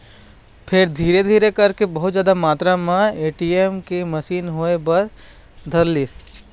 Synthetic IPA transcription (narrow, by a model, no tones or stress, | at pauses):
pʰɪɾd̪ʱiːɾed̪ʱiːɾekɐɾkebɐɦʊt̪zjaːd̪amaːt̪ɾamãeːʈiemkemɐʃiːnɦoːebɐɾ | d̪ʱɐɾliːs